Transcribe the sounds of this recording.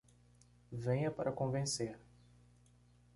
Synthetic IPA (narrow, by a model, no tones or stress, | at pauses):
vẽɲɐpaɾʔɐkõvẽseɾ